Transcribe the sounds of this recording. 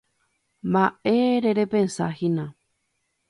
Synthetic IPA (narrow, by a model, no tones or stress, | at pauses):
mbaʔeɾeɾepensahinã